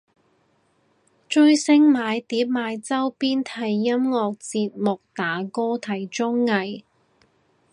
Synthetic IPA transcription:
t͡ʃɵ˥ɥsɪ˥ŋmaː˨˧jt̪iː˨˥p̚maː˨˧jt͡sɐ˥wpiː˥nt̪ʰɐ˨˩jːɐ˥mŋɔː˧k̚t͡siː˧t̚mʊ˨k̚t̪aː˨˥kɔː˥t̪ʰɐ˨˩jt͡ʃʊ˥ŋːɐ˨˧j

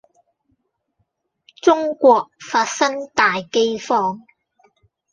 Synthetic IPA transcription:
t͡sʊ˥ŋkʷɔː˧k̚faː˧t̚sɐ˥ŋt̪aː˨jke˥jfɔː˥ŋ

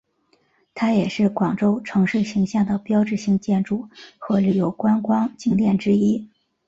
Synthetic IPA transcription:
t̪ʰa˥jɛ˨˩ʂɻ̩˥˩kwɑ˨˩ŋʈ͡ʂo˥ʊʈ͡ʂʰɤ˧˥ŋʂɻ̩˥˩ɕi˧˥ŋɕjɑ˥˩ŋd̪ə˩pjɑ˥ʊʈ͡ʂɻ̩˥˩ɕi˧˥ŋt͡ɕjɛ˥˧nʈ͡ʂu˥˩xɤ˧˥ly˨˩jo˧˥ʊkwa˥nkwɑ˥ŋt͡ɕi˥ŋt̪jɛ˥˩nʈ͡ʂɻ̩˥i˥

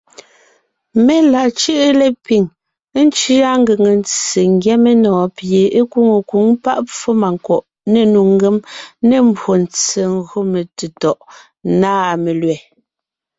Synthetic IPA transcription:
me˦la˨t͡ʃɯ˦ʔe˦le˦pi˨ŋ˦ | n̩˦t͡ʃi˦a˦ŋ˦ɡe˨ŋe˨n˦t͡se˨ŋ˦ɡjɛ˦me˦nɔː˨pje˨e˦ku˦ŋo˨ku˨˦ŋpa̰˦ʔp͡fo˦ma˨ŋ˨kɔ˨ʔ | ne˨nu˨ŋ˦ɡe˦mne˨m̩˦bwo˨n̩˨t͡se˨ŋ˦ɣo˦me˨te˨tɔ˨ʔ | naː˦˨me˨lɥɛ˨

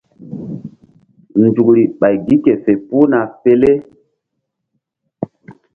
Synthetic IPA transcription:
nd͡ʒu˨kɾi˨ɓa˨jɡi˦ke˨fe˨pu˦na˨fe˨le˦

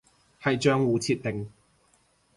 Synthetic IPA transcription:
hɐ˨jt͡ʃœː˥ŋwuː˨t͡sʰiː˧t̪̚ːɪ˨ŋ

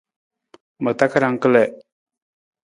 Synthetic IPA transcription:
mə˨t̪a˦ka˦ɾa˨ŋkə˦le˨

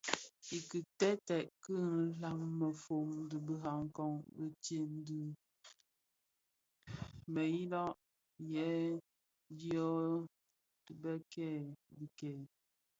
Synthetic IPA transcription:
i˨kɨ˨tɛ˦tɛ˨ʔkɨ˦˨˦la˨ŋmə˨fo˨ŋ˦dɨ˨bə˨ɦa˨ŋ˦kɔ˦ŋbə˨te˦n̩˦dɨ˨ | mə˨ji˦lɔ˦ʔ | jɛ˨˦ | di˦ɔ˦ | i˨bɛ˦kɛ˦˨bi˨kɛ˨

